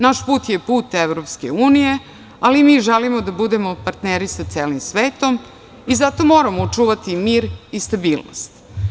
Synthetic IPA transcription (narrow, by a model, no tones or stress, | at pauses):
naʃpuːt̪jepuːt̪eʋɾopskḛuːnije̞ | alimiːʒelimod̪abud̪emopaɾt̪neɾisat̪seːlimsʋeːt̪om | izat̪o̞mo̞ːɾamout͡ʂuːʋat̪imiːɾist̪abiːlno̰st̪